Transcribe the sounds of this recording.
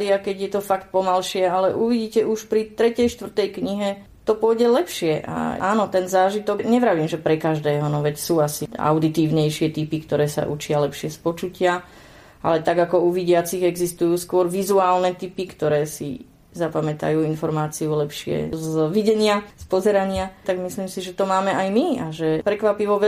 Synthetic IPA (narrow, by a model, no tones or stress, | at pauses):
d̪iakɛɟjɛt̪ɔfakt̪̚pɔmalʃɪɛalɛʔuʋiɟiːcɛʔuʃpɾit̪ɾɛcɛjʃt̪ʋr̩t̪ɛjkɲiɦɛ | t̪ɔpʊɔjɟɛlɛpʃɪɛʔa̰aːnɔt̪ɛnzaːʒit̪ɔɡɲɛʋɾaʋiːmʒɛpɾɛkaʒd̪ɛːɦɔnɔʋɛcsuːasia̰ʊd̪it̪iːʊɲɛjʃɪɛt̪ipikt̪ɔɾɛːsa̰ʔṵt͡ʃɪalɛpʃɪɛspɔt͡ʃucɪa | a̰lɛt̪aɡakɔuʋiɟɪat͡siɣɛɡzist̪ujuːskʊɔɾʋizuaːlnɛt̪ipikt̪ɔɾɛːsḭ | zapamɛt̪a̰juːinfɔɾmaːt͡siulɛpʃɪɛ̰zʋiɟɛɲɪaspɔzɛɾaɲɪat̪aɡmisliːmsiʒɛt̪ɔmaːmɛʔajmiaʒɛpɾɛkʋapiʋɔʋɛ